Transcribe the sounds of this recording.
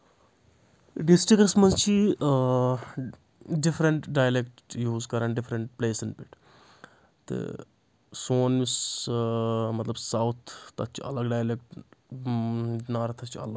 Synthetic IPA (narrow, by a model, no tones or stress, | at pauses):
ɖɪsʈɾiksmɐnzt͡ʃʰi | ɖɪfɾɐɳʈɖaːjlekʈjuːzkɐɾɐːnɖɪfɾɐɳʈpleːsinpiʈʰ | t̪ɨ̰ | soːnmis | mɐt̪lɐbsɐwt̪ʰːɐt̪̚t͡ʃʰiɐ̰lɐɡɖaːjlek̚ʈ | naːɾɐt̪ʰɐt͡ʃʰiɐ̰lɐɡ